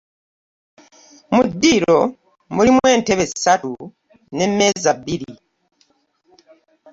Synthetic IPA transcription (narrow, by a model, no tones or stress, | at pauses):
mudːiɾo̞ | mulimwe̞ːnte̞βe̞zisatu | ne̞mːe̞ːzabiɾi